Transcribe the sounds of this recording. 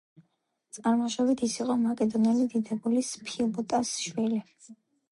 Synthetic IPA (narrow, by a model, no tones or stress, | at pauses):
t̪sʼaɾmaʃɔbit̪ʰisiqʼɔmakʼɛd̪ɔnilid̪id̪ɛbulispʰilˠbɔt̪ʼasʃwili